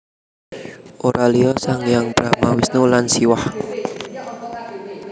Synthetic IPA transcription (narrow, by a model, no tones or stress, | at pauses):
ʔoɾaliɔsaŋjaŋb̥ɾamawisnulansiwah